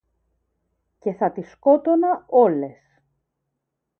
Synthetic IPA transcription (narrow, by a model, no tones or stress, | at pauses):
ce̞θɐt̪isko̞t̪o̞nɐo̞le̞s